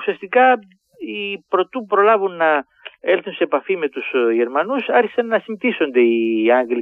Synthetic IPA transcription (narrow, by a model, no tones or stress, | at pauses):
usiɐst̪ikɐ | ipɾo̞t̪uupɾo̞lɐvunːɐ | e̞lθunse̞ːpɐfime̞t̪usʝe̞ɾmɐnusɐɾçi̥sɐnːɐsimθiso̞nd̪e̞iɐŋɡli